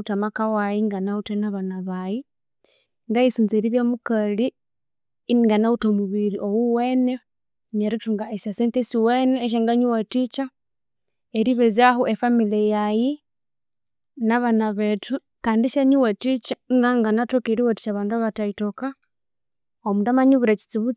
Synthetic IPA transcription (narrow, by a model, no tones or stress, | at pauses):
tamakawaiŋɡanautenaβanaβaji | ŋɡaisunzeɾiβjamukali | niŋɡanautomuβiɾiʔowuwene | ɲeɾituŋɡaesaseːntesiweneːʃ̬eŋɡaɲuwatit͡ʃa | eɾiβezahuʔefamilejaji | naβanaβetu | kaːndiʃaɲuwetit͡ʃaŋɡaŋɡanatokeɾiwati̥t͡ʃaβaːnduaβataitoka | omundamaɲuβuɾat͡ʃi̥t͡siβut͡s